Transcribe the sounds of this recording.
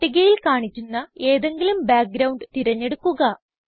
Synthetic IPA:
ʈːiɣɐjilkaːɳit͡ɕːunːɐe̞ːðe̞ŋɡilumbaːk̚ɡɾɐwuɳɖt̪iɾɐɲːe̞ɽukːuɣɐ

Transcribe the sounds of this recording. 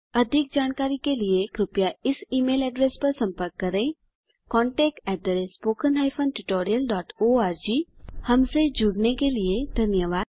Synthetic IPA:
ɐd̪ʱɪk̚d͡ʒaːñkaːɾikeliekɾʊpjaɪsiːmeːlɛːɖɾeːspɐɾsɐ̃mpəɾkːɐɾẽ | kɔ̃ːɳʈɛːk̚ʈɛːʈ̚d̪əɾespoːkənɦaːɪfʰənʈʊʈoːɾijəlɖɔːʈoːaːɾd͡ʒiːhɐmsed͡ʒʊɽnekelied̪ʱɐnjəʋaːd̪

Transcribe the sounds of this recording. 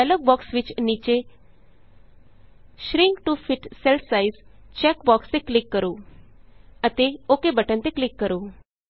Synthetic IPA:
ɛlok̚bɔksʋit͡ʃniːt͡ɕe | ʃɾiŋɡʈufiʈselfsaizt͡ɕɛkbɔkst̪eklikːəɾuː | ət̪eokebəʈə̃nt̪eklikːəɾuː

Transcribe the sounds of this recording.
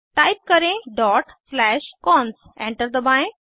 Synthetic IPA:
ʈajp̚kəɾẽɖɔʈslɛʃkɔns | ɛ̃ɳʈəɾd̪əbãj

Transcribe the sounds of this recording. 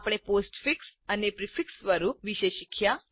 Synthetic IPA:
pɽ̃eposʈfiksanepɾifiksʋəɾuːʋiɕeɕikʰja

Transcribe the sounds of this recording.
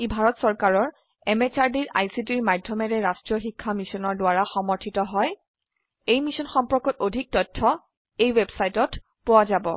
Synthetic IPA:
ibʱaɹɔtsɔɹkaɹɔɹ | ɛmet͡ʃaɹdiɹʔa̰jsit̬iɹmadʱjɔmɛɹɛɹastɹiɔxikʰːamisɔnɔɹdʊwaɹaxɔmɔɹtʰitɔɦɔj | ejmisɔnxɔmpɔkɔtodʱik̚tɔtʰːɔ | ejwebsajtɔt | pʊwazabɔ

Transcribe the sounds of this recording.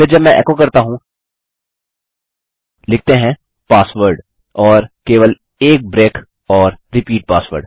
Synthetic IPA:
ɪɾd͡ʒɐbmɛ̃ʔɛ̰kokɐɾt̪aɦũ | lɪk̚ʰt̪eɦɛ̃ | paːsʋəɾɖ | ɔːɾkeːʋəl | eːk̚bɾeːk | ɔːɾɾɪpiːʈ̚paːsʋəɾɖ

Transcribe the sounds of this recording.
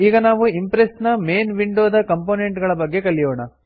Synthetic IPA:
iːɡɐnaːʋuimpɾesnɐme̞ːnʋiɳɖoːd̪ɐkɐmpoːneɳʈɡɐɭɐbɐɡːe̞kɐɭːijoːɳɐ

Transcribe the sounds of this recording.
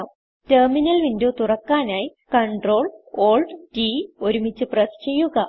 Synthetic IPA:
m | terminɐlʋindoːt̪urɐkːaːnaːji | kɐɳɖro̞ːloːlɖʈioɾumit͡ɕːɨprɐst͡ɕejːuɣɐ

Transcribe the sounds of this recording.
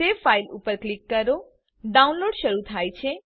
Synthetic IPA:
efailṵpəɾklikːəɾo | ɖaũnloɖʃəɾut̪ʰajt͡ʃʰe

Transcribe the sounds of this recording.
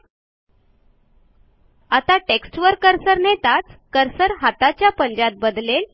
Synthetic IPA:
at̪aʈeksʈʋəɾkəɾsəɾnet̪at͡skəɾsəɾɦat̪at͡ɕjapəɲd͡ʑat̪̚bəd̪lel

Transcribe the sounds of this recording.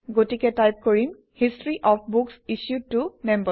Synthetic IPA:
ɡotikɛtajp̚koɹim | histɹiʔɔpʰbuksisjud̚tumɛmbə

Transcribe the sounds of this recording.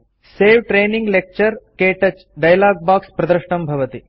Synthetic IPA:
seːʋʈɾeːniŋɡlek̚t͡ʃɐɾkeːʈɐt͡ʃ | ɖɐjlaːɡ̚baːkspɾɐd̪ɐɾʃɳɐmbʱɐʋɐt̪i

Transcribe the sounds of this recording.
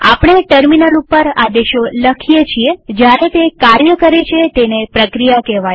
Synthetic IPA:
a̰pɳ̃eʈəɾminəlupːəɾad̪eʃoləkʰijet͡ʃʰied͡ʒjaɾet̪ekaɾjəkəɾet͡ʃʰet̪enepɾəkɾijakɛʋaj

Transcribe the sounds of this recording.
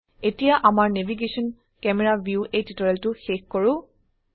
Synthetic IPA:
etijaʔamaɹnebʱiɡesɔn | kɛmɛɹabjuʔejtitɔɹɛltʊxekkɔɹʊ̃

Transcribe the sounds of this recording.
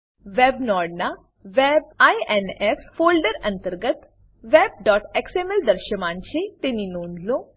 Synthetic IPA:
ʋebnɔːɖna | ʋeb̚ajʔeneffoːlɖəɾɐnt̪əɾɡət̪ | ʋeb̚ɖɔːʈeksemeld̪əɾʃəmãɲt͡ɕet̪eninoːnd̪lo

